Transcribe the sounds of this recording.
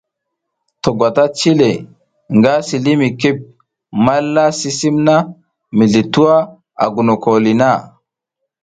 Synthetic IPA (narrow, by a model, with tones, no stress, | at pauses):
to˨ɡwa˨ta˦t͡ʃi˦le˨ | ŋɡa˦si˨li˦mi˨ki˦p̚ | ma˦lːa˦si˦si˦mna˦ | mi˨ɮi˨tu˦a˦ | a̰˨ɡu˨no˨ko˨li˨na˦˨